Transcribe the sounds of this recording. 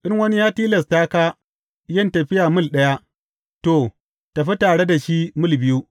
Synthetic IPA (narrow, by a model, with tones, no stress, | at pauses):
ʔɪ˦ŋwɐ˦ni˦jaː˦tiː˦lɛ˨staː˦kaː˦ | jɐ˦˨ntɐ˨ɸɪ˦jaː˨mʊ˦lɗɐ˦ja˦ | to˨ | ta˨ɸi˦taː˨ɽe˦da˨ʃi˦mʊ˦˨lbɪ˦ju˦